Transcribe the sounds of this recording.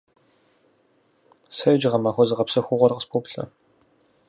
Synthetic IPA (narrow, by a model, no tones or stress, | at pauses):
sɐjd͡ʒɪʁɐmaːxʷɔzɨʁɐpsɐxʷʊʁʷɔrqəspʰoːpɬɐ̰